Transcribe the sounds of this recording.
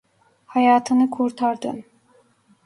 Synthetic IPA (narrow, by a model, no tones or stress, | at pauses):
hɑjɑːt̪ʰɯnɯkʰuɾt̪ʰɑɾd̪ɯ̰n